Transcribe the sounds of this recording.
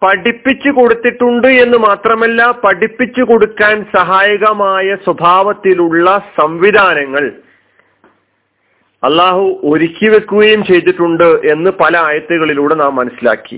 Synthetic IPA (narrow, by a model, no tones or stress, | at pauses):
pɐɽipːit͡ɕːuko̞ɽut̪ːiʈːuɳɖɨe̞nːɨmaːt̪rɐmɐlːɐpɐɽipːit͡ɕːuko̞ɽukːaːnsɐɦaːjɐɣɐmaːjɐswɐbʱaːʋɐt̪ːiluɭːɐsɐmʋid̪ʱaːnɐŋːɐɭ | ɐlːaːɦuʔo̞ɾikʲːiʋe̞kːuɣɐjumt͡ɕe̞jt̪̬ːiʈːuɳɖɨʔe̞nːɨpɐlɐaːjɐt̪ːuɣɐɭiluːɽe̞naːmːɐnɐsila̰ːkːḭ